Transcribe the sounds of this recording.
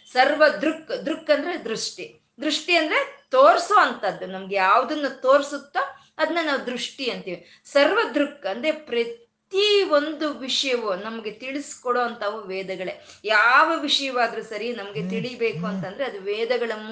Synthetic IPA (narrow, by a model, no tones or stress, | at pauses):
sɐɾʋɐd̪ɾukːd̪ɾukːɐnd̪ɐɾed̪ɾuʂʈi | d̪ɾuʂʈiɐnd̪ɐɾe̞t̪oːɾsoːɐnt̪ɐd̪ːunɐmɐɡejaːʋɐd̪ɐnːut̪o̞ːɾsut̪ːɐ | ɐd̪ɐnːɐnaːʋud̪ɾuʂʈiɐnt̪iːʋi | sɐɾʋɐd̪ɾukːɐnd̪ɾepɾɐtt̪io̞nd̪uʋiʂɐjɐʋunɐmɐɡe̞t̪iɭiskɔɽoːɐnt̪ʰɐʋuʋɛːd̪ɐɡɐɭejaːʋɐʋiʂɐjɐʋaːd̪ɐɾusɐɾinɐmɐɡe̞t̪iɭibeːkuɐnt̪ɐnd̪ɐɾeɐd̪uʋɛːd̪ɐɡɐɭɐmː